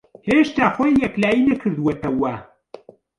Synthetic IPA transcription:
heʃt̪aːxojjɛklaːjinɐkʰɨɾd̪uwɐt̪ɐwɐ

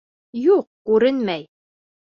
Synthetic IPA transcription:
juq̚kʉɾɘnmæj

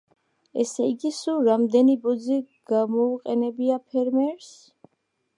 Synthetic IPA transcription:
ɛ̰sɛiɡisuɾamd̪ɛnibɔd̪ziɡ̥amɔuqʼɛnɛbiapʰɛɾmɛɾs

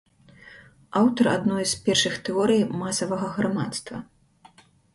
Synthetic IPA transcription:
awt̪ɐra̰d̪nɔjspʲɛrʂɨxt̪ɛɔɾɨjmasɐvɐɣɐɣɾama̰t̪st̪vɐ̰

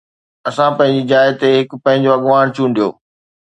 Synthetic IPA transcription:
ɐsãpɐ̃ɦɪ̃ɲd͡ʑid͡ʑaːɪt̪eɦɪkpɐ̃ɦɪ̃ɲ̆d͡ʑoɐɠʋaːɽ̃t͡ɕʰũːnd̪ijo̰ː

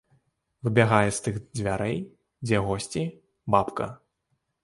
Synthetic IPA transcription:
vɨbʲaɣajɛst̪ɨxd͡zʲvʲaɾɛj | d͡zʲɛɣɔsʲt͡sʲi | bapkɐ̰

